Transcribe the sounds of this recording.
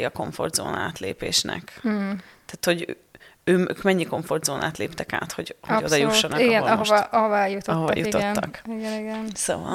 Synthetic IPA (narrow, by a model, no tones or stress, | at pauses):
iɒko̞ɱfo̞̰rd̪zo̰ːnaːt̪leːpeːʃnɛ̰k | t̪ɛːt̪ho̞ɟ | øːøːkmɛɲːiko̞ɱfo̞rd̪zoːnʔaːt̪leːpt̪ɛka̰ːt̪ho̞ɟho̞d̪ɒjuʃːonɒiɡɛnɒɦoʔɒɦovɔɛjut̪ɒɦovɒ̰juotnːɒkiɡɛniɡɛnsoːvɒ̰l